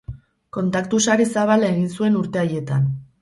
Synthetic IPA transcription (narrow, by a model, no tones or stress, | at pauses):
ko̞nt̪akt̪usaɾesaβ̞alae̞ɣinsue̞nuɾt̪e̞aje̞t̪an